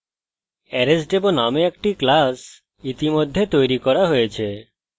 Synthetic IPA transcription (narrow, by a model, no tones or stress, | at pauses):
ɛɾesɖebonameekʈiklas | it̪imod̪ʱːet̪ojɾikɔɾaɦojet͡ɕʰe